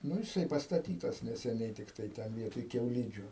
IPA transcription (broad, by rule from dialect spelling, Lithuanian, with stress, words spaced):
ˈnʊ jɪˈsɐɪ pɐstɐˈtʲiːtɐs nʲɛsʲɛˈnʲɛɪ ˈtʲɪktɐɪ ˈtʲɛn ˈʋʲiɛtoːj kʲɛʊˈlʲiːd͡ʒʲʊ